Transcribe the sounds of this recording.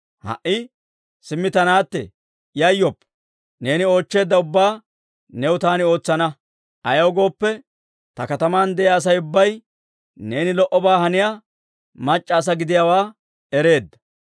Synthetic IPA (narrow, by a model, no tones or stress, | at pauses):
hɐ̰ʔɪ | sɪmːɪt̪ɐnaːt̪ːɛ̰ | jɐjːɔpː | ne̞ːnɪo̞ːt͡ʃːe̞ːd̪ːɐʊbːaː | nɛwʊt̪aːnɪo̞ːt͡sːɐnɐ | ʔɐjowɡo̞ːpːɛ | t̪ɐkɐt̪ɐmaːnd̪ɛjaːs̬ɐjʊbːɐj | ne̞ːnɪlɔʔɔbaːhɐnɪja | mɐt͡ʃʼːaːs̬ɐɡɪd̪ɪjawaː | ɛɾe̞ːd̪ːɐ̥